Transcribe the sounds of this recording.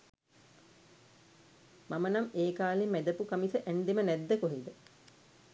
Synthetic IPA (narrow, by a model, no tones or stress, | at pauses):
mamənameːkaːlimːæd̪əpukamisəʔæɳɖ̪imənɛd̪ːəkoɦid̪ə